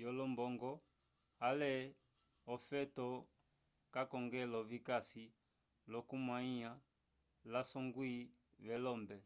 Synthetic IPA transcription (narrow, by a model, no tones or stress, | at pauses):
jɔlɔmbɔŋɡɔ | alɛ | ɔfɛtɔ | kakɔŋɡɛlɔvikasi | lɔkumwaia | lasɔŋɡwi | βɛlɔmbɛ